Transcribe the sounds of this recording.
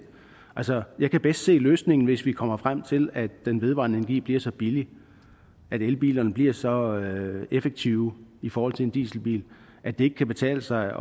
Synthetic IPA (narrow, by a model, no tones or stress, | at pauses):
ʔælsɒjɑ̈ɪkʰæb̥esd̥se̝̰ːløːsne̝ŋn̩ʋe̝sʋikʰɒ̽m̰ɐfʁam̰t͡sʰe̝læd̥enʋe̝ð̞ˠʋɑ̈nəenɐɡḭːb̥liɐsɒ̽b̥ili | ʔæɾ̥elb̥ḭːlɐnəb̥liɐsɒ̽ | efeɡ̥̚t͡sʰiʊifɒːhɒ̽l̰t͡sʰe̝end̥ḭːsl̩b̥ḭːl | ʔæd̥ee̝ɡ̥əkʰæb̥e̝t͡sʰɛ̰ːləsɑ̈ɪ